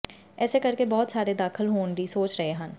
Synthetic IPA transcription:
ɛːsekəɾkebɔːt̪saːɾeːd̪aːkʰəlɦoːɳd̪iːsoːt͡ʃɾəɦeːɦən

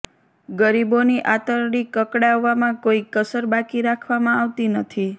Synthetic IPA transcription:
ɡəɾiboniʔat̪əɾɽikəkɽaʋːamãkoikəsəɾbakiɾakʰʋamãaʋt̪inət̪ʰi

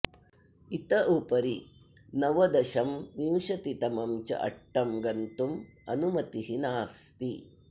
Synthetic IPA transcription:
it̪ɐʔupɐɾi | nɐʋɐd̪ɐʃɐmːiwʃɐt̪it̪ɐmɐmt͡ʃɐ̰ʔɐ̰ʈːɐmɡɐnt̪umɐ̰numɐt̪iɦinaːst̪i

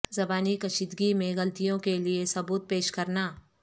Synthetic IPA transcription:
zɐbaːnikɐʃiːd̪ɡimẽɣɐlt̪ijõkeliesɐbuːt̪̚peːʃkɐɾnaː

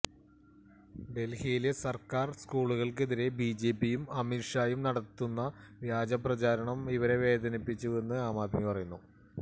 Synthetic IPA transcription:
ɖe̞lhijilesɐrkaːrskuːɭuɣɐɭk̬e̞ðiɾe̞bid͡ʑe̞ːpːijumɐmiʂaːjumnɐɽɐt̪ːunːɐʋjaːd͡ʑɐprɐt͡ɕaːɾɐɳɐmiʋɐɾe̞ʋe̞ːd̪ɐnipːit͡ɕːue̞nːɨaːmaːt̪mipɐrɐjunːu

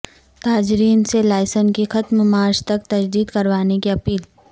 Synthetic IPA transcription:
t̪aːd͡ʒɾiːnselaːɪsənkixɐt̪mmaːɾd͡ʒt̪ɐk̚t̪ɐd͡ʒd̪iːd̪kɐɾʋaːnekiɐpiːl

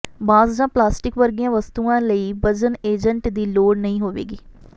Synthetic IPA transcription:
baːzd͡ʒãːplaːsʈɪkʋəɾɡijãːʋəst̪uːãːləiːbəd͡ʒəneːd͡ʒəɳʈd̪iːloːɽnəɦĩːɦoːʋḛːɡiː

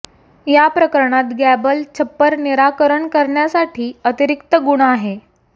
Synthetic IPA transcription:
japɾəkəɾɳat̪ɡæbəlt͡ɕʰəpːəɾniɾakəɾəɳkəɾɳjasaʈʰiːət̪iɾikt̪əɡuɽ̃ːɦe

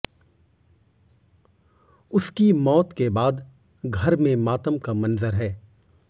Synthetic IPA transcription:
ʊskimɔːt̪kebaːd̪ | ɡʱɐɾmẽmaːt̪əmkamɐnzəɾɦɛː

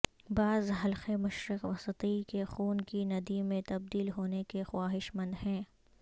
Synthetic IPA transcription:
baːzɦɐlxemʊʃɾɪqʋɐsət̪ikexuːnkinɐd̪imẽt̪ɐb̚d̪iːlɦoːnekexwaːɦɪʃmɐ̃nd̪ɦɛ̃ː

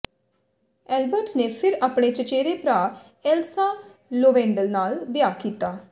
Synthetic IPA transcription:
ɛːlbəɾʈneːpʰɪɾaːpɽ̃eːt͡ʃət͡ʃeːɾeːpɾaː | ɛːlsaː | loːʋɛ̃ːɳɖəlnaːlbɪjaːkiːt̪aː

